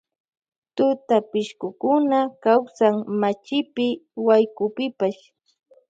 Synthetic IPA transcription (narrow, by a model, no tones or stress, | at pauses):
t̪ʊt̪apɪʃkʊkʊnakawsaŋmat͡ʃɪpɪwajkʊpɪpaʃ